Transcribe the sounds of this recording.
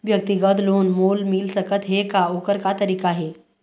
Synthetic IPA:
ʋjək̚t̪iɡəd̪ʱlonmolmilsəkət̪ɦekaokəɾkat̪əɾiːkaːɦe

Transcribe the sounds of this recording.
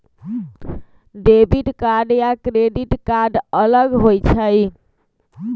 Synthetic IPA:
ɖebiʈkaɖjakɾeɖiʈkaɖələɡɦojt͡ʃʰəj

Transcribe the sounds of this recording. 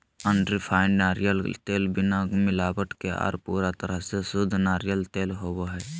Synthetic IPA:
ənɖɾɪpʰaːɪɳɖnaːɾijəlt̪eːlbɪnamɪlaːwəʈkea̰ːɾpuːɾat̪əɾəɦsesʊd̪ʱnaːɾijəlt̪eːlɦowoɦɛː

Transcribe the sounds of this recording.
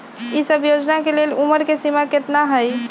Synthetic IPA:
isəbjod͡ʒnakeleluməɾkesimaket̪naɦəj

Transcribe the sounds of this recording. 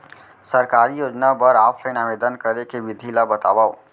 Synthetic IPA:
səɾkaɾijod͡ʒnabəɾapʰənaʋed̪ənkəɾekeʋid̪ʱilabət̪a̰bao

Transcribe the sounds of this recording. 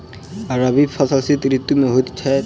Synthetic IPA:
aɾabibfʰasasit̪ɾit̪ːumeɦot̪t͡ɕʰa

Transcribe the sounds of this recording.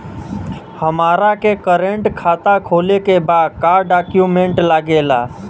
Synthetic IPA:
həmaːɾakekəɾẽɳʈkʰaːt̪akʰoːlekebaːd̪̚kaːɾɖaːkjumẽɳʈlaɡeːla̰ː

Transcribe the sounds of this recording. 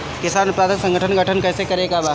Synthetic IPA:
kɪsaːnʊpɾaːd̪ʱənsɐ̃ŋɡʱəʈʰənɡʱɐʈʰənkɛːsekɐɾeːɡabaː

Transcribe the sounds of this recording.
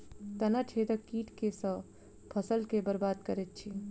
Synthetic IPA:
t̪ɐnat͡ʃʰet̪əkiːʈkesə̃ | pʰəsəlkebəɾbaːd̪kəɾɛt̪̚t͡ʃʰi

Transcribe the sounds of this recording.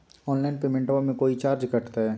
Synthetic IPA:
ɔːnlaːɪnpeːmẽɳʈoʋamẽkoːit͡ʃaːɾd͡ʒkɐʈʰt̪aɦɛː

